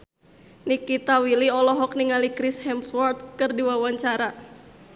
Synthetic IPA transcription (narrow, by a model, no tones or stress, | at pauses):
nikit̪awiliɔlɔɦɔk̚niŋalikɾishɛmswɔrt̪̚kɨrdiwawaɲt͡ʃaɾa